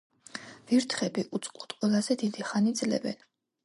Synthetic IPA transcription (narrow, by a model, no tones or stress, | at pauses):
viɾt̪ʰχɛbiʔut̪sʼqʼlut̪ʼqʼwɛlˠazɛd̪id̪iχanid̪zlɛ̰bɛ̰n